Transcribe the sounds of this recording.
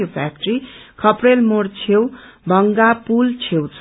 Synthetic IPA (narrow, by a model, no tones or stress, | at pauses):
opʰa̰k̚ʈrikʰʌprelmoɽt͡sʰewbʱʌŋɡapult͡sʰewt͡sʰ